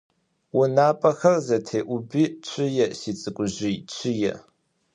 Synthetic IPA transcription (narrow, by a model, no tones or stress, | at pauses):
wʊnaːpʼɐxɐrzɐtʰeːʔʷʊbit͡ʃʷʰʼɪjɛsiːt͡sʼɨkʷʼʊʑɪjt͡ʃʰɪjɛ̰